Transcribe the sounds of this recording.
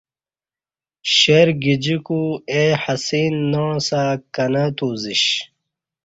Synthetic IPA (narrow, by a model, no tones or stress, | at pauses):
ɕeɾɡid͡ʑikueħɐsiːnːõːsakɐnat̪uːziɕ